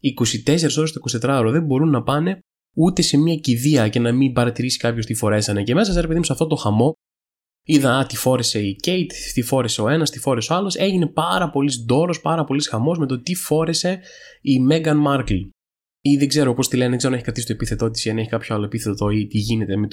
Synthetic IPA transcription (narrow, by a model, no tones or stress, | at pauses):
iko̞sit̪ese̞ɾeso̞ɾst̪oiko̞sit̪et̪ɾɐoɾoðe̞mbo̞ɾunːɐpɐne̞ | ut̪e̞se̞miɐciðiɐce̞nɐmibɐɾɐt̪iɾisi̥kɐpço̞st̪ifo̞ɾe̞sɐne̞cemesɐseɾepe̞ðiusɐft̪ot̪o̞xɐmo̞ | iðɐɐt̪ifo̞ɾe̞se̞icejt̪t̪ifoɾese̞oe̞nɐst̪ifo̞ɾe̞soɐlo̞se̞ʝine̞pɐɾɐpo̞lizd̪o̞ɾo̞spɐɾɐpo̞lisxɐmo̞zme̞t̪o̞t̪ifo̞ɾe̞se̞imeɡɐnmɐɾkl | iðeɡze̞ɾopo̞st̪ilenðeɡzeoneçikɾɐt̪isit̪oepiθe̞t̪o̞t̪̬i̥siɐneçikɐpçoaloepiθet̪ot̪oit̪iʝine̞t̪e̞met̪